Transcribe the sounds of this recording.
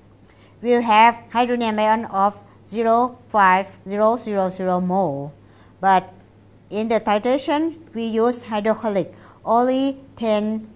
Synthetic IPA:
wilɦɛvhajdɹonẽmajɔ̃nɔf | ziɾofajvziɾoziɹoziɾomɔ | bat̚ | ĩndətʰajteʃə̃nwijuzhajdɔkʰɔlik | õnlitʰẽn

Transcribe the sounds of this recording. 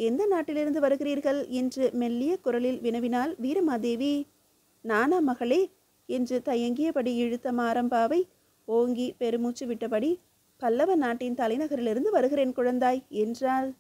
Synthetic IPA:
ɛnd̪ɐnaːʈːɪlɪɾɯnd̪ɯʋɐɾɯɣɪɾiːɾɣɐɭɛndrɯmɛlːɪjɐkʊɾɐlɪlʋɪnɐʋɪnaːlʋiːɾɐmaːd̪eːʋi | naːnamɐɣɐɭeː | ɛndrɯt̪ɐjɐŋɡɪjɐpɐɽiɛɻɯt̪ːɐmaːɾɐmbaːʋɐɪ | oːŋɡipɛɾɯmuːt͡ʃːɯʋɪʈːɐpɐɽi | pɐlːɐʋɐnaːʈːɪnt̪ɐlɐɪnɐɣɐɾɪlɪɾɯnd̪ɯʋɐɾɯɣɪɾeːnkʊɻɐnd̪aːjɛndraːl

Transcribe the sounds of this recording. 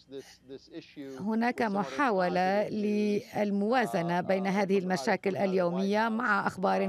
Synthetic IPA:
hʊnaːkamʊħaːwalalɪalmʊwaːzanabejnaɦaːðɪhɪlmaʃaːkɪlʔaljoːmɪjːamaʕaʔaxbɑːɾˤ

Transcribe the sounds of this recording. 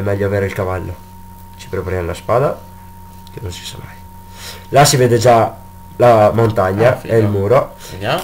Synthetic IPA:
ɛmːɛʎːoaveːɾeilkavalːo | t͡ʃi̥pɾepaɾemlaspaːd̪a | kenonsi̥sa̰mːaj | lasiveːd̪ed͡ʒa | lamont̪aɲːaɛilmuːɾo

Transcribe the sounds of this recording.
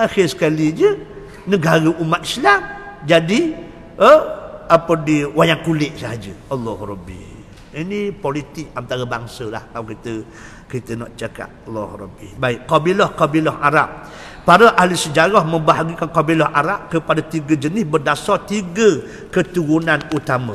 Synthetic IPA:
axɪrsə̥kalid͡ʒə | nəɡaɾəʔumat̪̚islamd͡ʒadi | əapədiwajaŋkulɪʔ̚saɦad͡ʒə̰ʔəlːɔhɾɔbḭ | inipolit̪ɪk̚ant̪aɾəbaŋsəla̰hkawkit̪ə | kit̪ənɔʔt͡ʃaka̰t̪̚ɑlːɔ̰hɾɔ̰bḭbaɪkkɔbilɔhkɔbilɔhʔaɾap̚ː | aɾəʔaɦlisəd͡ʒaɾahmə̃mbaɦaɡikankɔbilɔhʔaɾap̚kəpadat̪iɡəd͡ʒənɪsbərdasɔt̪iɡə | kət̪uɾunanut̪amə

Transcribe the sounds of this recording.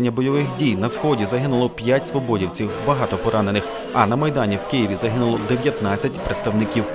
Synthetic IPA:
nʲːɐbɔjɔʋɪxdʲijnɐsxɔdʲizɐɦɪnʊlˠɔpʲjatʲsʋɔbɔdʲiwt͡sʲiwbɐɦɑt̪ɔpɔɾɑnenɪx | ɐnɐmɐjd̪ɑnʲiwkɪjɪʋʲizɐɦɪnʊlˠɔd̪eʋʲjɐt̪nɑt͡sʲːɐtʲpɾet̪st̪ɐwnɪkʲiw

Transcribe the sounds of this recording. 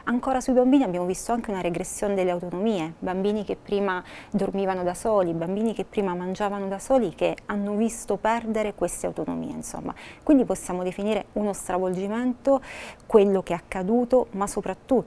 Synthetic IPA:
aŋkoːɾasuibambiːniabjaːmovist̪oaŋk̟eunaɾeɡɾesːjoːned̪elːeawt̪onomiːebambiːnikepːɾiːmad̪ormiːvanod̪asoːlibambiːnikepːɾiːmamand͡ʒaːvanod̪asoːlikeanːovist̪opɛrd̪eɾekwest̪ea̰wt̪ono̰mḭːḛnso̰mːa̰kwind̪iposːjaːmod̪efiniːɾeunost̪ɾavold͡ʒiment̪okwelːokeakːad̪uːt̪omasːopɾat̪ːu

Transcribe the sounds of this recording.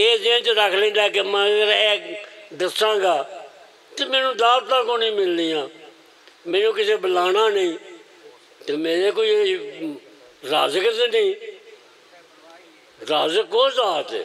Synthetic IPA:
eːzẽt͡ʃəɾəkʰlẽːd̪aːkemãɡəɾɛːkd̪əsãːɡaː | t̪eːmɛːnũːd̪aːt̪t̪ãːkoːnĩːmɪlːiːjãː | mɛːnũːkɪseːbəlaːnaːnəĩː | t̪eːmẽːɾeːkoːiː | ɾa̰ːzəksnĩː | ɾaːzəkoːzaːt̪ː

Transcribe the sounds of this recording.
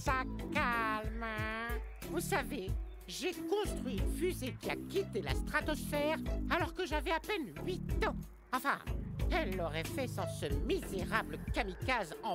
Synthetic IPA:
sakalm | vusave | ʒekɔ̃st̪χɥifyzekʲia̰kʲit̪ela̰st̪χat̪ɔsfɛʁalɔʁkəʒavɛapɛnɥit̪ɑ̃ | ɑ̃fɛ̰̃ɛlːɔʁɛfɛsɑ̃səmizeʁabləkamikazɑ̃

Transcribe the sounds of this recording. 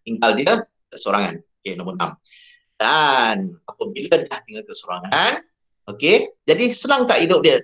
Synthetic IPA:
t̪iŋɡaldiə | kəsoɾaŋa̰nokenõmbəna̰m | danapəbiladaht̪iŋalkəsoɾa̰ŋaan | oked͡ʒadisənaŋt̪aʔhidʊp̚diə

